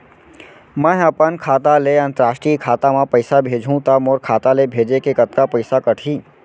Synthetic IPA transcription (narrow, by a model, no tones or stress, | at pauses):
mə̃ɦəpənkʰaːt̪aleənt̪əɾaːsʈikʰaːt̪amãpəɪsabʱeːd͡ʒʱũt̪amoːɾkʰaːt̪alebʱeːd͡ʒekekət̪kapəɪsakəʈʰi